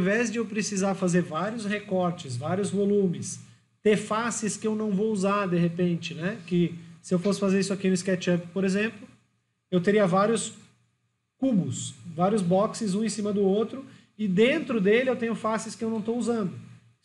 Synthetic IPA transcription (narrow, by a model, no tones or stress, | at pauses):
vɛzd͡ʒɪewpɾɪsizaɾfazeɾvaɾjʊshekɔɾt͡ʃɪsvaɾjʊzvolũmɪs | t̪eɾfasɪskɪewnɐ̃w̃vowuzaɾd̪eɦepẽnt͡ʃɪnɛkɪsɪewfosɪ̥fazeɾisʊakinʊɪskɛt͡ʃɛppoɾezẽmplʊ | ewt̪eɾiɐvaɾjʊs | kubʊsvaɾjʊzbɔksɪzũẽsĩmɐd̪ʊot̪ɾʊ | ɪd̪ẽnt̪ɾʊd̪elɪewt̪ẽɲʊfasɪskɪewnɐ̃w̃t̪ouzɐ̃nd̪ʊ